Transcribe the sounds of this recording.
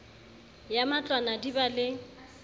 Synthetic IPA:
jamat͡ɬʼwanadibalɪ

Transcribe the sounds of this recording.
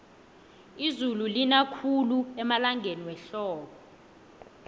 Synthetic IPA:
izululinakʰuluɛmalaŋɡʱeniwɛɬɔːɓɔ

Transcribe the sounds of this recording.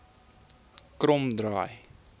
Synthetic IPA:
krɔmdrɑːj

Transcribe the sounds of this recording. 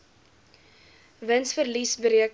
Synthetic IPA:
vənsfərlisbəɾiək

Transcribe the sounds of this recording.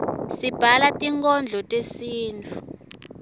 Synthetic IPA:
sib̥ʱalatʼiŋkɔnd͡ɮʱɔtʼesiːnt͡fʰu

